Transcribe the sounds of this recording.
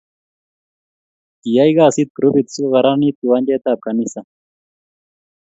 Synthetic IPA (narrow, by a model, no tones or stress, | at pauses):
t̪ijajɡaːsit̪̚kɾubit̪suɣɑɾanit̪̚uwand͡ʒet̪aːp̚kʰanisa